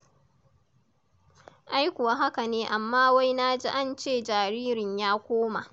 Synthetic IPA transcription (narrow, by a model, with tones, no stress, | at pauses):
ʔa˦jkʷːwaː˦ɦa˦ka˨neː˦ʔa˨mːaː˦wa˦jnaː˦d͡ʒi˦ʔa˦˨nt͡ʃeː˦˨d͡ʒaː˨ɾiː˦ɾɪ˨ɲjaː˦kʷoː˦ma̰˨ʔ